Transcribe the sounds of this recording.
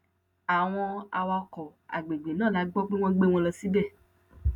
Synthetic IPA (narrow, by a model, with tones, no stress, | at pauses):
a˨w̃ɔ̃˧a˧wa˧kɔ˨a̰˨ɡ͡be˨ɡ͡be˨nãː˦˨la˨˦ɡ͡bɔ˦k͡pe˦w̃ɔ̃˦ɡ͡be˦w̃ɔ̃˧lɔ˧si˦bɛ˦˨